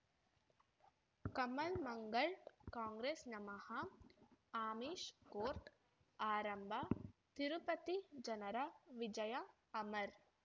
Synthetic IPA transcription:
kɐmɐlmɐŋɡɐɭkaːŋɡɾeːsnɐmɐhɐ | aːmiːʃkoːɾʈ | aːɾɐmbʱat̪iɾupɐt̪id͡ʒɐnɐɾɐʋid͡ʒɐjɐ | ɐmɐɾ

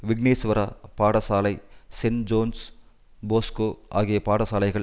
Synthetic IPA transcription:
ʋiɡneːsʋɐɾɐpaːɽɐsaːlɐjsend͡ʒoːns | boːskoːa̰ːɡijepaːɽɐsaːlɐjɡɐɭ

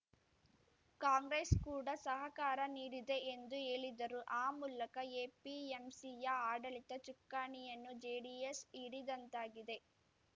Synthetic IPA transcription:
kaːŋɡɾeskuːɽɐsɐɦɐkaːɾɐniːɾid̪e̞end̪ue̞ːɭid̪ɐɾuʔaːmuːlɐkɐeːpiemsijɐaːɖɐlit̪ɐt͡ʃukːaːɳijɐnːud͡ʒeːɖiesiɽid̪ɐnt̪aːɡid̪e̞

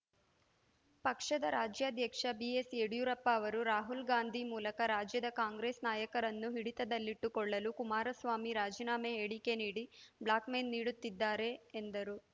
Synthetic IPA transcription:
pɐkʂɐd̪ɐɾaːd͡ʒjaːd̪ʱjɐkʂɐbieseɽjuɾɐpːɐːʋɐɾuɾaːɦulɡaːnd̪ʱimuːlɐkɐɾaːd͡ʒjɐd̪ɐkaːŋɡɾeːsnaːjɐkɐɾɐnːuɦiɽit̪ɐd̪ɐlːiʈːukɔɭːɐlukumaːɾɐsʋaːmiɾaːd͡ʒiːnaːmeːɽikeniːɽibɭaːkmeːnːiːɽut̪ːid̪ːaːɾe̞ːnd̪ɐɾu

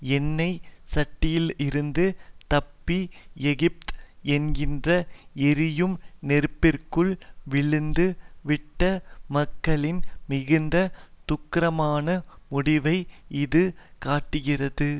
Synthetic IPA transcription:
ɛnːɐɪsɐʈːɪjɪlɪɾɯnd̪ɯt̪ɐpːiɛɣɪp̚t̪ɛnɡɪndrɐɛɾɪjɯmnɛɾpːɪrkɯɭʋɪɭɯnd̪ɯʋɪʈːɐmɐkːɐɭɪnmɪɣɯnd̪ɐt̪ʊkːɪɾɐmaːnɐmʊɽɪʋɐɪɪðɯkaːʈːɯɣɪrɐðɯ

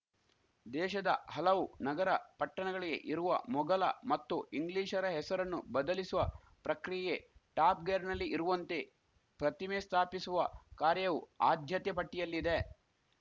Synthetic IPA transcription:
d̪ɛːʃɐd̪ɐ̰ɦɐlɐʋunɐɡɐɾɐpɐʈːɐɳɐɡɐɭiɡe̞̰ʔiɾuʋɐ̰mɔɡɐlɐ̰mɐt̪ːuiŋɡliːʃɐɾɐɦɛsɐɾɐnːubɐd̪ɐlisuʋɐ | pɾɐkɾijje̞ʈaːp̚ɡeːɾnɐlːiʔiɾuʋɐnt̪e̞ | pɾɐt̪imeːst̪ʰaːpisuʋɐkaːɾjɐʋuaːd̪ʱjɐt̪jɐpɐʈːijɐlːid̪e

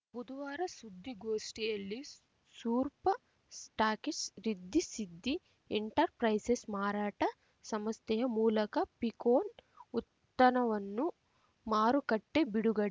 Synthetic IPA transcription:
bud̪uʋaːɾɐsud̪ʱːiɡoːʂʈijɐlːi | suːɾpɐ | sʈaːkisɾid̪ʱːisid̪ʱːi | eɳʈɐɾpɾɐjsesmaːɾaːʈɐ | sɐmɐst̪ʰɛjɐmuːlɐkɐpikoːn | ut̪ːɐnɐʋɐnːu | maːɾukɐʈːe̞biɽuɡɐɽ

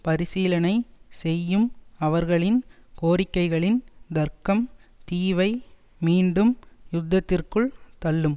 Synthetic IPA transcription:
pɐɾɪsiːlɐnɐɪsɛjːɯmɐʋɐɾɣɐɭɪnkoːɾɪkːɐɪɣɐɭɪnd̪ɐɾkɐmt̪iːʋɐɪ | miːɳɖɯmjʊd̪ʱːɐt̪ːɪrkɯɭt̪ɐlːɯm

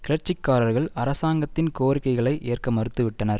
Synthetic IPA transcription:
kɪlɐɾt͡ʃːɪkːaːɾɐɾɣɐɭɐɾɐsaːŋɡɐt̪ːɪnkoːɾɪkːɐɪɣɐɭɐɪʔeːrkɐmɐɾɯt̪ːɯʋɪʈːɐnɐɾ

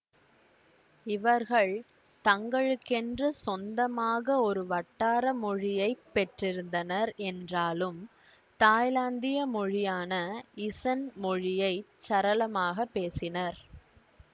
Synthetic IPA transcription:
ɪʋɐɾɣɐɭ | t̪ɐŋɡɐɭɯkːɛndrɯsɔnd̪ɐmaːɣɐɔɾɯʋɐʈːaːɾɐmɔɻɪjɐɪpːɛʈrɪɾɯnd̪ɐnɐɾɛndraːlɯm | t̪aːjlaːnd̪ɪjɐmɔɻɪjaːnɐɪsɐnmɔɻɪjɐɪt͡ʃːɐɾɐlɐmaːɣɐpːeːsɪnɐɾ

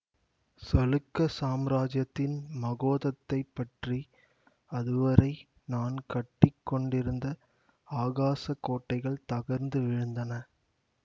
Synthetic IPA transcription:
sɐlɯkːɐsaːmɾaːd͡ʒjɐt̪ːɪnmɐɣoːðɐt̪ːɐɪpːɐʈri | ɐðɯʋɐɾɐɪ | naːnkɐʈːɪkːɔɳɖɪɾɯnd̪ɐ | aːɣaːsɐkːoːʈːɐɪɣɐɭt̪ɐɣɐɾnd̪ɯʋɪɻɯnd̪ɐnɐ

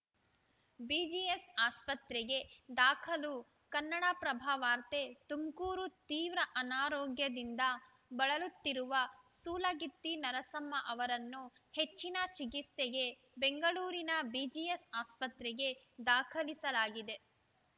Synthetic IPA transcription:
biːd͡ʒiesaːspɐt̪ɾɛɡe̞d̪aːkʰɐlu | kɐnːɐɽapɾɐbʱaːʋaːɾt̪et̪umkuːɾut̪iːʋɾɐʔɐnaːɾɔːɡjɐd̪ind̪ɐ | bɐɭɐlut̪ːiɾuʋɐsuːlɐɡit̪ːinɐɾɐsɐmːɐʔɐʋɐɾɐnːuhet͡ʃːinɐt͡ʃikist̪eɡe̞ | beŋɡɐɭuːɾinɐbiːd͡ʒijesaːspɐt̪ɾɛɡe̞ | d̪aːkʰɐlisɐlaːɡid̪e̞

